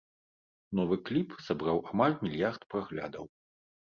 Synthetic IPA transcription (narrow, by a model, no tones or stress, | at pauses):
nɔvɨklʲipsabɾawʔamalʲmʲilʲjart̪pɾaɣlʲa̰d̪ɐ̰w